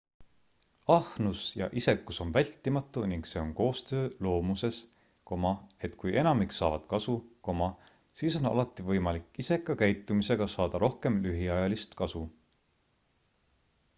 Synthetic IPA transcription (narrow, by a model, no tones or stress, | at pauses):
ɑhnusjɑ̰ʔise̞kːuso̞nvælʲt̪ːˑimɑt̪ːˑuniŋɡse̞onko̞ːst̪ø̞ːlo̞ːmuse̞s | ko̞mɑe̞t̪ːˑkujʔe̞nɑmiksɑ̰ːvɑd̪̥kɑsuko̞mɑ | siːso̞nɑ̰lɑt̪ːˑivɤjmɑlikːise̞kːˑɑkæjt̪ːˑumise̞ɡ̥ɑsɑːd̪̥ɑɾo̞hke̞mlyɦiɑjɑlist̪kɑsu